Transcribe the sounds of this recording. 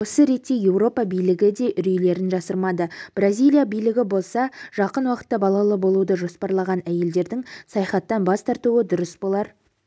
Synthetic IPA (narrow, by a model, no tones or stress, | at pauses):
wo̞səɾe̞t̪ːe̞je̞wro̞pɑbijlɪɡʲɪd̪e̞ʔʏɾijle̞ɾɪnʒɑsəɾmɑd̪əb̥razʲijlʲˠijabijlɪɡʲɪbo̞lˠsɑʒ̥ɑqənwɑqə̥t̪ːɑbɑlˠɑlˠəbo̞lˠud̪əʒo̞spɑɾlˠɑʁɑnæje̞ld̪e̞ɾd̪ɪŋsɑjɑχɑt̪ːɑnbɑst̪ʰɑɾt̪uwəd̪ʊɾəsbo̞lˠɑɾ